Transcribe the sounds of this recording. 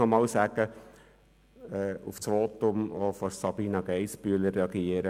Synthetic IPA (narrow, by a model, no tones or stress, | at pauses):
ɔmɑːlsæɡ̥ə | ɛuft͡sʋoːt̪ʊmofɔɾsɑbiːnɑɡ̥ɛɪspyələrːeɑɡiəɾə